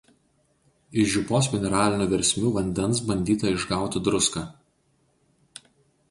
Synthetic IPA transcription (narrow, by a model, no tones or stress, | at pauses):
ɪʃʒʲʊpoːsmʲɛnʲɛɾɑːlʲɪnʲuːʋʲɛɾʲsʲmʲuːʋɐnʲd̪ʲɛnˑsbɐnʲd̪ʲiːt̪ɐɪʒɡɑˑʊt̪ʲɪd̪ɾʊskaː